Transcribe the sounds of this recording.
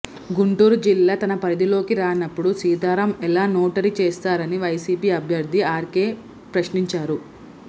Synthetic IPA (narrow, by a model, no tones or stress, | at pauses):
ɡuɳʈuːɾud͡ʒilːaːt̪ɐnɐpɐɾid̪ilo̞ːkiɾaːnɐpːuɽusiːd̪aːɾɐmɛlaːnoːʈɐɾit͡ʃeːst̪aːɾɐniʋɐjsiːpiːɐbʱjɐɾd̪ʱiaːɾkeː | pɾɐʃniɲt͡ʃaːɾu